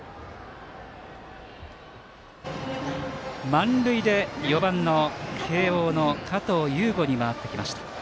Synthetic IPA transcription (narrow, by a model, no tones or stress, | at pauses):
mãnɾɯ̟id̪e̞jo̞bãnːo̞kʰe̞ːoːno̞kʰat̪oːjɯːɡo̞ɲ̟imaat̪ːe̞kʲimaɕi̥t̪ḁ